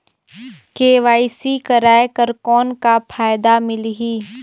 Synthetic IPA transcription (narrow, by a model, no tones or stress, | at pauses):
keːʋaːisikɐɾaːekəɾkɔːnkapʰaːjd̪amɪlɦiː